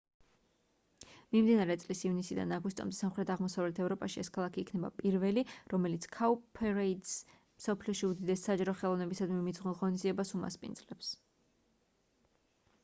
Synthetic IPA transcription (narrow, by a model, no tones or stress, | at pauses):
mimd̪inaɾɛt̪sʼlisivnisid̪a̰naɡwist̪ʼɔ̰md̪ɛsamχɾɛt̪ʰaʁmɔsavlɛt̪ʰɛvɾɔpʼaʃiɛskʰalˠakʰiːkʰnɛba̰pʼiɾvɛliɾɔmɛlit̪sʰkʰaupʰɛɾɛit̪s | msɔpʰliɔʃiud̪id̪ɛsːad͡ʒaɾɔχɛlˠɔvnɛbisad̪mimid̪zʁunʁɔnizd̪iɛbasuma̰spʼḭnd̪zlɛps